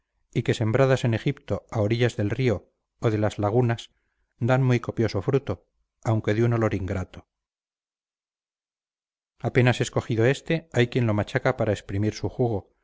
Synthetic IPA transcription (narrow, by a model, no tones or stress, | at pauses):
ike̞se̞mbɾaðase̞ne̞xipt̪o̞aoɾiʎazðe̞lrio̞ː | ðe̞lazlaɣ̞unas | d̪anmuijko̞pjo̞so̞fɾut̪o̞ | awŋke̞ðuno̞lo̞ɾiŋɡɾat̪o̞ | ape̞nase̞sko̞xiðo̞e̞st̪e̞ajkje̞nlo̞mat͡ʃakapaɾaespɾimiɾsuxuɣ̞o̞